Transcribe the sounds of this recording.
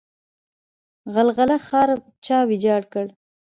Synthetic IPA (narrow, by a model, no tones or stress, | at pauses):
ɣalɣalaxɑɾ | t͡ʃɑwid͡ʒɑɽkəɽ